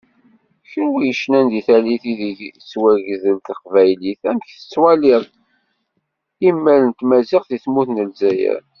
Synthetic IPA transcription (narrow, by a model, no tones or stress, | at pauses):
çənwijəʃnænd̪iθæliθiðit͡sːwæʝəzəlt̪əqvæjliθæmçθə̥t͡sːwæliðˤ | imːælənt̪mæziqθiθmuθnəlzæjæ̰